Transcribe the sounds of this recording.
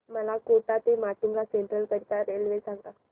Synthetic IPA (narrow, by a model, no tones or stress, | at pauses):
məlakoʈat̪emaʈuŋɡaseɳʈɾəlkəɾit̪aɾelʋesaŋɡa